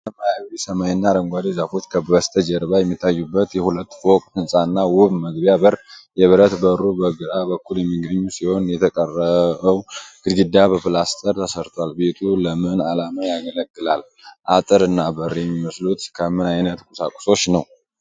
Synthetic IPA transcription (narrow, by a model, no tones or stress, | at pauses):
səmajaβisəmaɲnːaɾəŋɡʷad̪izafot̪kʰəbəst̪ʰəd͡ʒɛɾβajɛmːit̪ʰːajːubːət̪jɛhulət̪ːfokʼhɨnsʼanːawʊβməɡbjabərjɛβəɾət̪bəɾubəɡɨɾabəkːuljɛmːiɡəɲːusiho̞njɛt̪ʰəkʼərːəβəwɡ̥ɨdɡɨd̪abəfɨlast̪ʰʼəɾt̪ʰəsəɾt̪ʰwalbe̞t̪ʰuləmɨnalamajaɡələɡːɨlal | ʔat̪ʼɨɾɨnːabərjɛmːiməslut̪kʰəmɨnajnət̪kʼusa̰kʼu̥so̞t͡ʃːnəw